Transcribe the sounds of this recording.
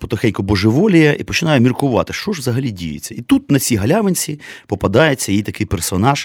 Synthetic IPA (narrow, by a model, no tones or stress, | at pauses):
pɔt̪ɔxɛjʲkɔbɔʒɪʋɔlʲijɛʔipɔt͡ʃɪnɑjɛmʲirkʊʋɑ̰t̪ɪʃt͡ʃɔʒʋzɐɦɐlʲidʲḭjḛt͡sʲːɐit̪ut̪nɐt͡sʲiɦɐlʲaʋɪnʲt͡sʲipɔpɐd̪ɑjet͡sʲːɐjit̪ɐkɪjpɛrsɔnɑʃ